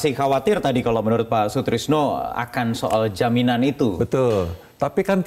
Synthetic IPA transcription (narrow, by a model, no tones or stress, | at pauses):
sɪxawat̪ɪrt̪adikalomənuɾʊt̪̚pasut̪ɾɪsnoa̰kansoʔald͡ʒaminanit̪ubət̪ʊl | t̪apikan